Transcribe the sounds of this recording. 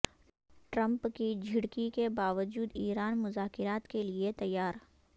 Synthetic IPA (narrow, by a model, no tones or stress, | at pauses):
ʈɾə̃mpkid͡ʒʱɪɽkikebaːʋəd͡ʒuːd̪iːɾaːnmʊzaːkɪɾaːt̪keliet̪ɐjːaːɾ